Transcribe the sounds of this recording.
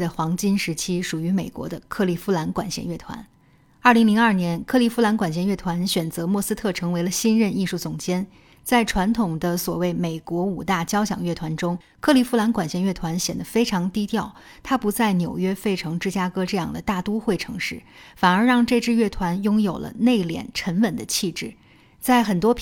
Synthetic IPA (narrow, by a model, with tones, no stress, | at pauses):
ə˧˩xwɑ˧˥ŋt͡ɕi˥nʂɻ̩˧˥t͡ɕʰi˥ʂu˨˩y˧˥me˨˩ɪkwɔ̰˧˥d̪ə˧kʰɤ˥˩li˨˩fu˥la˧˥nkwa̰˨˩nɕjɛ̰˧nɥɛ˥˩t̪ʰwa̰˧˥n | ɐ˞˥˩li˧˥ŋli˧˥ŋɐ˞˥˩njɛ˧˥nkʰɤ˥˧li˥˩fu˥la˧˥nkwa˨˩nɕjɛ˥˧nɥɛ˥˩t̪ʰwa˧˥nɕɥɛ˨˩nt͡sɤ˧˥mwɔ˥˩sɹ̩˥t̪ʰɤ˥˩ʈ͡ʂʰɤ˧˥ŋwe˧˥ɪlə˧ɕi˥nɻə˥˧ni˥˧ʂu˥˩t͡sʊ˨˩ŋt͡ɕjɛ˥n | t͡sa˥˩ɪʈ͡ʂʰwa˧˥nt̪ʰʊ˨˩ŋd̪ə˦swɔ˨˩we˥˩ɪme˨˩ɪkwɔ˧˥u˨˩t̪a˥˩t͡ɕjɑ˥ʊɕjɑ̰˨˩ŋɥɛ˥˩t̪ʰwa˧˥nʈ͡ʂʊ˥ŋ | kʰɤ˥˩li˧˥˩fu˥la˧˥nkwa˨˩nɕjɛ˧˥nɥɛ˥˩t̪ʰwa˧˥nɕjɛ˨˩nd̪ə˦fe˥ɪʈ͡ʂʰɑ˧˥ŋt̪i˥t̪jɑ˥˩ʊ | t̪ʰa˥pu˧˥t͡sa˥˩ɪnjo˨˩ʊɥɛ˥fe˥˩ɪʈ͡ʂʰɤ˧˥ŋʈ͡ʂɻ̩˥˧t͡ɕja˥kɤ˥ʈ͡ʂɤ˥˧jɑ̰˥˩ŋd̪ə˩t̪a˥˩t̪u˥xwe˥˩ɪʈ͡ʂʰɤ̰˧˥ŋʂɻ̩˥˩fa˨˩nə˞˧˥ɻɑ˥˧ŋʈ͡ʂɤ˥˧ʈ͡ʂɻ̩˥˧ɥɛ˥˩t̪ʰwa˧˥njʊ˥ŋjo˨˩ʊlə̰˦ne˥˩ɪljɛ̰˨˩nʈ͡ʂʰə˧˥nwə˨˩nd̪ə˦t͡ɕʰi˥˧ʈ͡ʂɻ̩˥˩ | t͡sa˥˩ɪxə˨˩nt̪wɔ˥p